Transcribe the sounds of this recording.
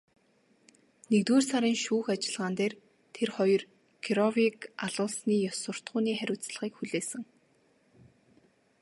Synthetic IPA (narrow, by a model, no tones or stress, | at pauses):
nekt̪weːrsaɾiːŋʃuːxat͡ɕɪ̆ɮʁaːnt̪eːr | t̪ʰerχɔjɞ̆r | kʰiɾɔwikaɮʊːɮsniːjɔsʊ̆r̥t̪ɢʊːniːχæɾʲʊːt͡sɮə̆χiːkxuɮeːsɘ̆ŋ